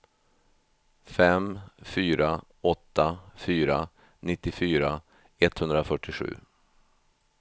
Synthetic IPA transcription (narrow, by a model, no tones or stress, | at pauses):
fɛmfyːɾa | ɔt̪ːafyːɾa | nɪt̪ːɪfyːɾa | ɛt̪hɵnd̪ɾafœʈːɪɧʉ̟̰ː